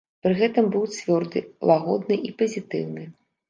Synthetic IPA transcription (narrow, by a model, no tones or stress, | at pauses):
pɾɨɣɛt̪ɨmbɨwt͡sʲvʲɔrd̪ɨlˠaɣɔ̰d̪nɨʔipɐzʲit̪ɨ̰wnɨ